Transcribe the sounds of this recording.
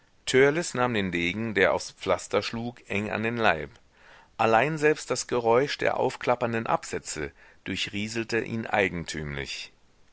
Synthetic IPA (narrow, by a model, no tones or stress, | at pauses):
tʰœɐlɪsnaːmdeːndeːɡŋ̩deːɐʔa̰ʊsp͡flastɐʃluːkʔɛŋa̰ndeːnlaɪp | ʔalaɪnzɛlpst̚d̥asɡ̥əʁɔʏʃd̥ḛːɐʔa̰ʊfkʰl̥apɐndənʔa̰pz̥ɛt͡sə̰ | d̥ʊɐçʁiːzl̩təʔḭːnʔa̰ɪɡŋ̩tʰy̰ːmlɪ̰ç